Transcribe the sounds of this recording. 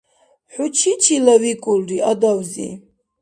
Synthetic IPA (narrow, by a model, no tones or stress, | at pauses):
ħut͡ʃʰit͡ʃʰilavikʼulɾiad̪awzḭ